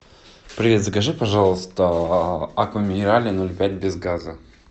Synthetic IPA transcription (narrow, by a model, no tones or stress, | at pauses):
pɾʲɪvʲet̪skɐʐɨpɐʐɑlˠəst̪ə | akəmʲɪnʲɪɾalʲɪnolʲpʲætʲbʲɪzɡazə